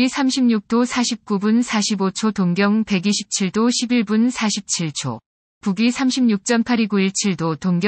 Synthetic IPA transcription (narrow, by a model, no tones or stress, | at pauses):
isʰamɕʰimɲuk̚t͈osʰaɕʰip̚k͈ubunsʰaɕʰibot͡ɕʰotoŋɡjʌŋpe̞ɡiɕʰi̥p̚t͡ɕʰiɭdoɕʰibiɭbunsʰaɕʰip̚t͡ɕʰiɭt͡ɕʰo̰ | puɡisʰamɕʰimɲuk̚t͡ɕ͈ʌmpʰaɾiɡuiɭt͡ɕʰiɭdotoŋɡj